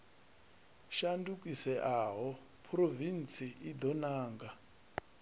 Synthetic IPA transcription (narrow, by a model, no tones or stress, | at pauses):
ʃandukisɛʔaɦɔ | pʰrovint͡siʔid̪ɔnaːŋɡa